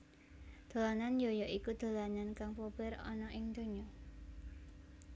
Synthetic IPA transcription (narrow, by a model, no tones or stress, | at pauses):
d̪̥o̤lananjojɔʔikud̪̥o̤lanankaŋpob̥ɪɾɔ̰nɔʔɪŋd̪̥o̤ɲɔ